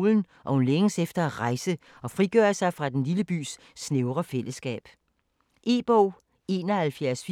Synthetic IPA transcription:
ln̩ | ʔɒ̽hunleŋəsefd̥ɐæʁɑ̈ɪsə | ɒ̽fʁiɡ̥œ̰ːɐsɑ̈ɪfʁɑ̈d̥enliləb̥y̰ːsː | neʊʁɐfel̰əsɡ̥ɛ̰ːb̥ | ʔe̝̰ːb̥ɔʊ̰ | e̝ːnɒ̽hælfjæɐsf

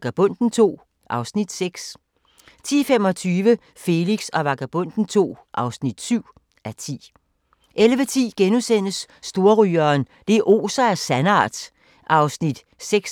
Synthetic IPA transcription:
ɡ̥æb̥ɔ̽n̰d̥n̩t͡sʰo̝̰ː | ʔɑ̈ʊsnid̥seɡ̥s | t͡sʰḭːfem̰ɒ̽t͡sʰyːʋə | fe̝liɡ̥sɒ̽ʋɑ̈ɡ̥æb̥ɔ̽n̰d̥n̩t͡sʰo̝̰ːʔɑ̈ʊsnid̥syʊ̰ | ʔæt͡sʰḭː | ʔelʋət͡sʰḭːɡ̥enusen̰əsː | d̥o̝ɐʁyːɐːn | d̥e̝ʔo̝̰ːsɐæsænɑ̰̈ːd̥ | ʔɑ̈ʊsnid̥ | seɡ̥s

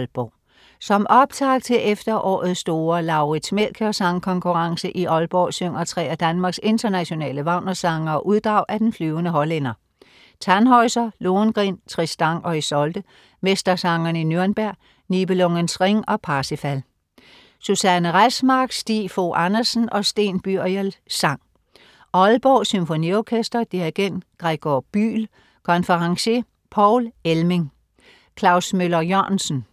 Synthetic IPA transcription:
lb̥ɒ | sɒ̽mɒ̽b̥t͡sʰɑ̈ɡ̥̚t͡sʰe̝ʔefd̥ɐʔɒ̰ːð̩ˠsd̥o̝ːɐlɑ̈ʊʁid̥smel̰kʰəɒ̽sɑ̈ŋkʰɒ̽ŋkʰuʁɑ̈ŋsəʔiʔɒ̽lb̥ɒsøŋ̰ɐt͡sʰʁɛ̰ːæd̥ænmɑ̈ːɡ̥se̝nd̥ɐnæɕo̝nɛ̰ːləʋɑ̈ʊ̰nɐsɑ̈ŋɐɒʔuðˠd̥ʁɑ̈ʊ̰ʔæd̥enflyːʊənəɦɒlenɐ | t͡sʰænɦɒɪsɐloːnɡ̥ʁḭːnt͡sʰʁisd̥ɑ̈ŋ̰ɒ̽isɒ̽ld̥ə | mesd̥ɐsɑ̈ŋɐninjøɐnb̥æɐ̰ | nib̥əlɔŋənsʁeŋɒ̽pʰɑ̈ːsifæl | susænəʁasmɑ̈ɡ̥sd̥ḭːfoʔɑnɐsn̩ʔɒ̽sd̥e̝̰ːnb̥yɐ̰jəlsɑ̈ŋ̰ | ɒ̽lb̥ɒːsymfo̝niɒkʰesd̥ɐd̥iæɡ̥en̰d̥ɡ̥ʁeɡ̥ɒb̥y̰ːl | kʰɒ̽nfɐʁɑ̈ŋse | pʰɒʊ̰lelme̝ŋ | kʰlɑ̈ʊsmølɐjɒ̰nsn̩

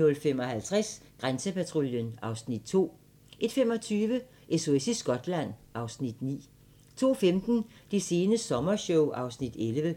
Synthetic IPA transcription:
nɔ̽lfem̰ɒ̽hælt͡sʰʁasɡ̥ʁansəpæt͡sʰʁoljənɑ̈ʊsnid̥̚t͡sʰo̝̰ː | ʔe̝d̥fem̰ɒ̽t͡sʰyːʋə | ʔe̝so̝esisɡ̥ɒ̽d̥læn̰ɑ̈ʊsnid̥nḭː | t͡sʰo̝̰ːfemd̥n̩d̥e̝se̝ːnəsɒ̽mɐɕɔʊʔɑ̈ʊsnid̥elʋə

